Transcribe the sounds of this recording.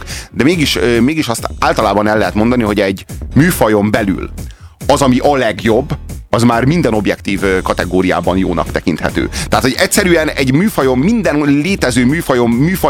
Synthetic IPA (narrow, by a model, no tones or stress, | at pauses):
d̪ɛmeːɡiʃmeːɡiʃɒst̪aːlt̪ɒlaːbɒnɛlːɛɦɛt̪mo̞nd̪ɒniɦo̞ɟɛɟmyːfɒjo̞mbɛly̰l | ɒzɒmiʔɒlɛɡjo̞bːɒzmaːrmind̪ɛno̞bjɛkt̪iːvkɒt̪ɛɡoːɾija̰ːbɒnjo̰ːnɒ̰kt̪ɛkint̪hɛ̰t̪ø̰ːt̪ɛaːt̪ho̞ɟɛcsɛɾyɛnɛɟmyːfɒjo̞mːind̪ɛnleːt̪ɛzøːmyːfɒjo̞mːyːfɒ